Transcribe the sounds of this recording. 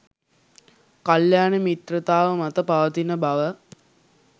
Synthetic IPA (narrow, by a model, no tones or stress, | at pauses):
kaljaːnəmit̪rət̪aːʋəmɐt̪əpaʋət̪inəbɐʋə